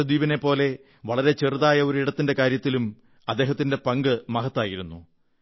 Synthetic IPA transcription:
ɐd̪iːbɐne̞pːo̞ːle̞ | ʋɐɭɐɾe̞t͡ɕerðaːjɐo̞ɾuiɽɐt̪ːinde̞kaːɾjɐt̪ːilum | ɐd̪ːe̞ːɦɐt̪ːinde̞pɐŋɡɨmɐɦɐt̪ːaːjiɾunːu

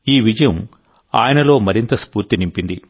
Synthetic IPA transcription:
iːʋid͡ʒɐjɐm | a̰ːjɐnɐlo̞ːmɐɾint̪ɐspuːɾt̪inimpind̪i

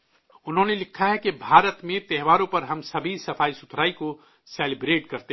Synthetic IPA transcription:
ʊnɦõnelɪkʰːaɦɛkibʱaːɾət̪mẽt̪ɛɦʋaːɾõpɐɾɦəmsɐbʱisɐpʰaːisʊt̪ʰɾaːiko | seːlibɾeːʈkɐɾt̪e

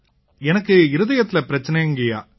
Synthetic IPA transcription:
ɛnɐkːɯɪɾɯðɐjɐt̪ːɪlɐpɪɾɐt͡ʃːɐnɛɪŋɡɐja̰ː

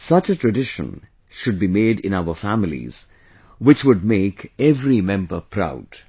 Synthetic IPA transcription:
sʌt͡ʃətʰɹɨɖɪʃə̰̃n | ʃʊd̚bimeːdɪ̰̃naʊəfæmɪlḭz̥ | wɪt͡ʃwʊd̚meːkɛvɾimɛ̃mbəpʰɾa̰ʊd̥

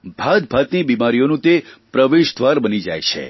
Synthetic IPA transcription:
bʱad̪bʱat̪nibimaɾijonũt̪epɾəʋeʃd̪ʋaɾbənid͡ʒa̰jt͡ʃʰḛ

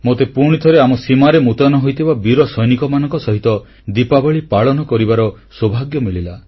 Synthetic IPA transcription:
mot̪epuɾɽ̃it̪ʰɔɾeamɔsimaɾemut̪anɔɦojt̪ʰibabiɾɔsɔjnikɔmanɔŋkɔsɔɦit̪ɔ | d̪ipabɔɭipaɭɔnɔkɔɾibaɾɔswobʱaɡjɔmiɭila

